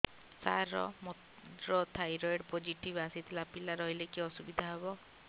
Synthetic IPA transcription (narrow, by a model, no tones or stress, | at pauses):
saɾɔ̰mo | ɾɔt̪ʰajɾɔjɖpod͡ʒiʈibasit̪ʰlapilaɾɔɦilekiɔsubid̪ʱaɦebɔ